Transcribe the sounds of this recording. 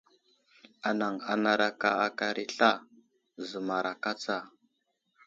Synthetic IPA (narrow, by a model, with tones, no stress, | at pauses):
a˨na˨ŋa˨na˨ɾa˨ka˦a˨ka˨ɾʔi˦ɬa˦ | zə˨ma˨ɾa˨ka˦t͡sa˦˨